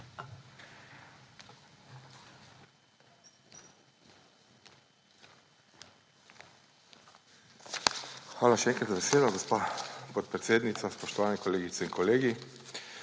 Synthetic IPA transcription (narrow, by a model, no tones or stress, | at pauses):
xʋaːlaʃɛɛːŋkɾat̪zabeseːd̪ɔɡɔspapɔt̪̚pɾet̪seːd̪nit̪saspɔʃt̪ɔʋaːnɛkɔleːɡit̪sɛinkɔleːɡi